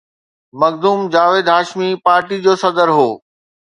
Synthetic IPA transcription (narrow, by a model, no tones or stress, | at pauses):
mɐɡd̪uːmd͡ʑaːʋeːd̪ɦaːʃmipaːɾʈid͡ʑoːsɐd̪əɾɦoː